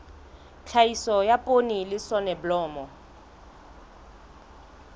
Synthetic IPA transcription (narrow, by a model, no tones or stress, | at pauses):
t͡ɬʰaisɔjapʼonilɪsɔnɛblɔːmɔ